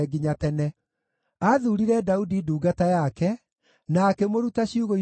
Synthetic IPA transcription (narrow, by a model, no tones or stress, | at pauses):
ɛɡiɲatɛnɛ | aðuɾiɾɛdaudiduːɡatajakɛ | naːkɛmoɾutaɕiuɣoi